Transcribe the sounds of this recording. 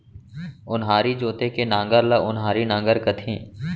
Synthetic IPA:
ʊnɦaːɾiːd͡ʒoːt̪ekenãːŋɡəɾlɐʔʊnɦaːɾinãːŋɡəɾkət̪ʰĩː

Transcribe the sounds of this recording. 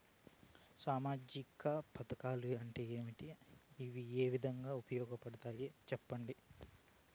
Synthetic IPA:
saːmaːd͡ʒikɐpɐt̪ɐkaːlueɳʈeeːmiʈiːʋieːʋid̪ʱɐŋɡaːupɐjɔːɡɐpɐɽɐt̪aːjet͡ʃɛpːɐɳɖi

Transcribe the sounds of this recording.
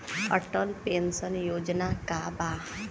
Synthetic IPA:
əʈəlpensənjod͡ʒnakaba

